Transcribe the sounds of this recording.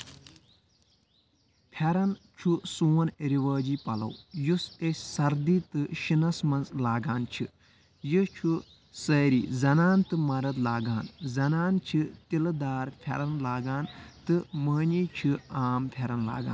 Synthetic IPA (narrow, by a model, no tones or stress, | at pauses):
pʰɐɾɐnt͡ʃʰusuːnɾiʋəːd͡ʒiːpɐlɐ̰wjusesʲsɐɾd̪iːt̪ɨʃinɐsmɐnzlaːɡaːnt͡ʃʰi | jɨt͡ʃʰu | sɐːɾḭːzɐnaːnt̪ɨmɐɾɐt̪laːɡaːnzɐnaːnt͡ʃʰit̪ild̪aːɾpʰʲɐɾɐnlaːɡaːnt̪ɨməːniːt͡ʃʰiaːmpʰɐɾɐnla̰ːɡa̰ːn